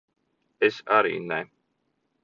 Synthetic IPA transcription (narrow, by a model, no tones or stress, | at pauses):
esaɾḭːnɛ